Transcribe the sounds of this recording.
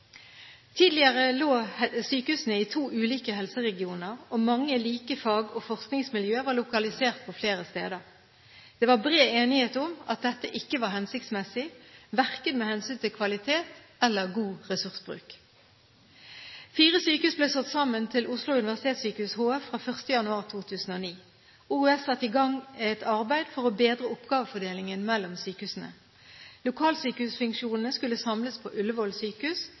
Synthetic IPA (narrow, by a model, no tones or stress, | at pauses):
t̪ʰiːd̪lɪəʁəloːsyːkəhʉːsnəiːt̪ʰuːʔʉːliːkəhɛlsəʁɛɡɪuːnəʁoːmɑŋːəliːkəfɑːɡoːfɔʁsknɪŋsmɪljøːʋɑːʁlʊkɑlɪseːʁt̪̚pʰɔfleːʁəst̪ḛːd̪əʁ | d̪̥eːʋɑbʁeːeːnɪheːt̪ʊmɑ̰t̪̚d̪ɛt̪ːəʔɪkːəʋɑːɾhɛnsɪkt̪smɛsɪʋæʁkəd̪meːhɛnsyːnt̪ʰɪlkʰʋɑlɪt̪ʰeːt̪ | ɛlːəʁɡuːʁɛsʉʁsbʁʉ̰ːk | fiːʁəsyːkəhʉːsbleːsɔt̪sɑmːənt̪ʰɪlʔʊslʊʉnɪʋæsɪt̪ʰeːt̪syːkəhʉːshoːæfʁɑːfœʁst̪əjɑnʉɑːʁt̪ʰuːt̪ʰʉːsn̩oːniː | uʉɛsɑt̪ːɪɡɑŋɛt̪ʰɑʁbæɪd̪fɔʁobeːd̪ʁəʊpɡɑːʋəfɔd̪eːlɪŋənmɛlːɔmsyːkəhʉːsn̩ə̰ | lʊkʰɑːlsyːkəhʉːsfʉŋkʃuːnn̩əskʉlːəsɑmləspʰo̰ːʔʉlːəʋɔlsyːkəʉːs